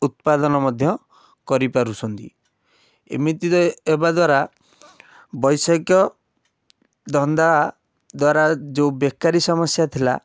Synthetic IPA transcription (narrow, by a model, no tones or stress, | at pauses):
ut̪̚pad̪ɔnɔmɔd̪ʱjɔ | kɔɾipaɾusʰɔnt̪ḭ | ḛmɾit̪it̪ɔebad̪waɾa | bɔjsɔkjɔ | d̪ʱɔnd̪a | d̪waɾad͡ʒeubekːaɾisɔmɔsjat̪ʰila̰